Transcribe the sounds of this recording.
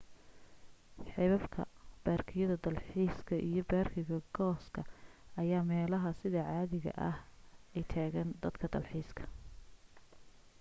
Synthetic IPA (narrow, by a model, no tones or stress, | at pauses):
ħɛβɐfkʰɐ̰b̥aːrkʰɪjɐðɐd̪ɐlħiːskʰɐʔijɞbaːrkʰɪɣɐɡɔːskʰɐɐjaːmɛːlɐɦɐsɪðɐʕɑːðɪɣɐ̰ʔɐ̰hɛjt̪ʰaːɣɐnd̪ɐd̪kʰɐd̪ɐlħiːskʰɐ̥